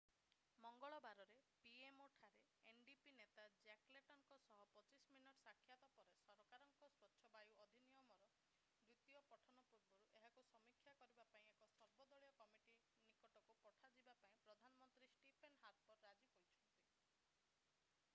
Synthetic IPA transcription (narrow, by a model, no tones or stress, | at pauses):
mɔŋɡɔɭɔbaɾɔɾepiemoʈʰaɾe | enɖipinet̪ad͡ʒakleʈɔŋkɔsɔɦɔpɔt͡ʃisminuʈɔsakʰːjat̪ɔpɔɾesɔɾɔkaɾɔŋkɔswɔtːʃʰɔbajuɔd̪ʱinijɔmɔɾɔ | bɾit̪ijɔpɔʈʰɔnɔpuɾbɔɾuʔeɦakusɔmikʰjakɔɾibapaĩekɔsɔɾbɔd̪ɔɭijɔkɔmiʈi | nikɔʈɔkupɔʈʰad͡ʒibapaĩpɾɔd̪ʱanɔmɔnt̪ɾisʈipʰenɦaɾpɔɾɾad͡ʒiɦojt͡ʃʰɔnt̪i